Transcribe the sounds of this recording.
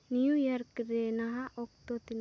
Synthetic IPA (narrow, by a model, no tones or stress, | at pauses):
nijujɐɾkɾeːnaɦaʔokt̪ot̪in